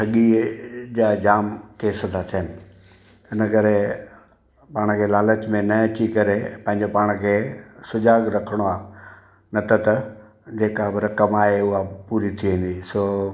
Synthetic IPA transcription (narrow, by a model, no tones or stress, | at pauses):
sʰɐɠid͡ʑaːd͡ʑaːmkeːsət̪ʰat̪ʰijənɪ̆ | ɪnəkɐɾe | paːɽ̃kʰeːlaːlət͡ɕmẽnɐɐt͡ɕikɐɾepɐ̃ɦɪ̃ɲd͡ʑopaːɽ̃kʰeːsʊd͡ʑaːɡɾɐkʰəɽ̃oaː | nɐt̪ɐt̪ɐ | d͡ʑeːkabɐɾɐkɐmaːɦeʊɦapuːɾit̪ʰiʋẽːnd̪isoː